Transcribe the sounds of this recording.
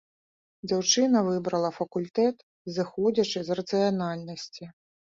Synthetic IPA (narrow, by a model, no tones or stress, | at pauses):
d͡zʲawt͡ʂɨnɐvɨbɾɐlˠɐfɐkulʲt̪ɛt̪ | zɨxɔd͡zʲɐt͡ʂɨzrɐt̪sɨjanalʲnɐsʲt͡sʲi